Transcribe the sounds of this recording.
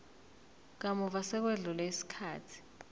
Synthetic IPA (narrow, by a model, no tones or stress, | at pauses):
k̬amuvasɛk̬weɮulaisi̥kʰa̰ːtʰi̥